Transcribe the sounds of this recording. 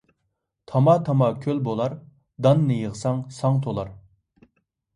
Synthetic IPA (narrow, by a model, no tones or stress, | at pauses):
t̪ʰɑmɑt̪ʰɑmɑkʲʰølbolˠɑɾ | d̪ɑnːɨjəʁsɑŋsɑŋt̪ʰolˠɑɾ